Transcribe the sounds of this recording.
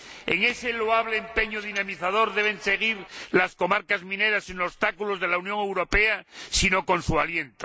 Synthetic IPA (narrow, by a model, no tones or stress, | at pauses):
ḛŋe̞se̞loaβ̞leːmpe̞ɲoð̞inamiθað̞o̞ɾðe̞β̞e̞nse̞ɣ̞iɾlasko̞maɾkazmĩneɾasinost̪akulozð̞elaunjõ̞ŋe̞wɾo̞pe̞asino̞ko̞nsualje̞nt̪o̥